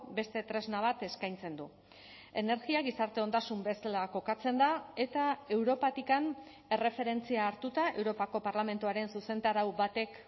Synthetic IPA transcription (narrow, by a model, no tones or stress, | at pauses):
be̞st̪e̞t̪ɾe̞znaβ̞at̪e̞skajnt͡send̪u | e̞ne̞ɾɣiaɣisaɾt̪e̞o̞nd̪asumbe̞selako̞kat͡se̞nd̪ae̞t̪ae̞wɾo̞pat̪ikan | e̞re̞fe̞ɾe̞nt͡siaːɾt̪ut̪aʔe̞wɾo̞pako̞paɾlame̞nt̪uaɾe̞nsuse̞nt̪aɾawbat̪e̞k